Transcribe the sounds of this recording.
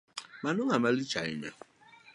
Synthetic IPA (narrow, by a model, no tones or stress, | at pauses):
manʊŋamalit͡ʃaɪ̰ɲa̰